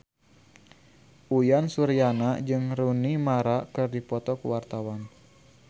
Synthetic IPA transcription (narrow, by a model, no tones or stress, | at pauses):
ʔujansuɾianad͡ʒɨŋɾunimaɾakɨrdipɔt̪ɔkəwart̪awan